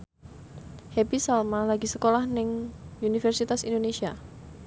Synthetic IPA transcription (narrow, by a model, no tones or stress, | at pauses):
hepisalmalaɡisəkolahnɪŋunifɛrsit̪asḭndonesia